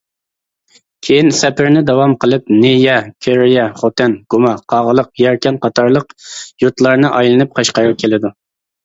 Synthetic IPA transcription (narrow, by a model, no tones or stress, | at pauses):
kʲʰejinsɛpʰɪɾnɪd̪ɑwɑmqʰəlˠɨp̚nejɛkʲʰøɾjɛχot̪ɛnɡ̥umɑqʰɑʁəlˠəqjɛɾkʲɛnqʰɑt̪ʰɑɾlˠəqjut̪lˠɑɾnɨʔɑjlˠɨnɨp̚qʰɑʃqɑɾɨp̚kʲʰelɪd̪u